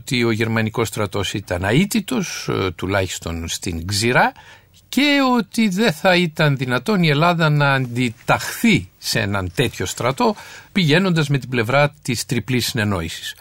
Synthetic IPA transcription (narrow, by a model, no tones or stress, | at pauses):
t̪io̞ʝe̞ɾmɐniko̞st̪ɾɐt̪o̞sit̪ɐnɐit̪it̪o̞st̪ulɐçi̥st̪o̞̰nst̪iŋɡziɾɐ | ce̞o̞t̪iðeθɐit̪ɐnðinɐt̪o̞nie̞lɐðɐnɐːnd̪it̪ɐxθisḛnɐnt̪e̞t̪ço̞st̪ɾɐt̪o̞piʝe̞no̞nd̪ɐzme̞t̪ible̞vɾɐt̪ist̪ɾiplisːine̞no̞̰isi̥s